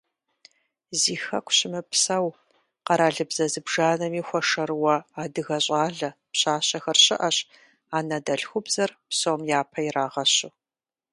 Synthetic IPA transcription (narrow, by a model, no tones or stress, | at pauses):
ziːxɐkʷʰɕɪmɨpʰsɐw | qɐɾaːɮɨbz̥ɐzɨbʒaːnɐmiːxʷɔʂɐrwɐaːdɨɣɐɕʼaːɮɐpɕaːɕɐxɐrɕɪ̰ʔɐɕ | aːnɐdɐɬxʷʊbzɐrpsomjaːpʰɐiraːʁɐɕʊ